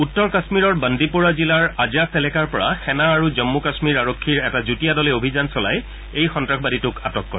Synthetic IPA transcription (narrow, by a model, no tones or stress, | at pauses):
utːɔɹkasmiɹɔɹbandipuɹazilaɹazasɛlɛkaɹpɔɹa̰xɛnaːɹuzɔmːukasmiɹaɹokʰːiɹɛtazutijadɔlɛobʱizansɔla̰j | ejxɔntɹakʰxbaditʊkatɔkːɔɹɛ